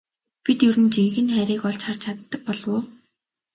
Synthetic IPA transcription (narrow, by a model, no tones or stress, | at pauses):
pit̪jɵɾɘ̆nt͡ɕiŋɣɘ̆nχæɾʲiːkɔɮt͡ɕχart͡ɕʰat̪ːə̆k̚pɔɮwʊː